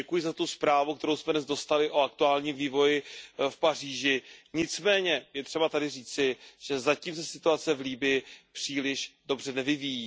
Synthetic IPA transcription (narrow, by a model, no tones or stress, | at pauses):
ɛkujɪzat̪uspɾaːvuk̚t̪ɛɾowsmɛdnɛzdo̞st̪alɪʔoak̚t̪uaːlɲiːmviːvo̞jɪfpar̝iːʒɪɲɪt͡smɛːɲɛjɛt̪r̝̥ɛbat̪adɪriːt͡sɪʒ̥ɛzaciːms̬ɛsɪt̪uat͡sɛvliːbɪjɪpr̝̥iːlɪʃdo̞br̝ɛnɛvɪvijiː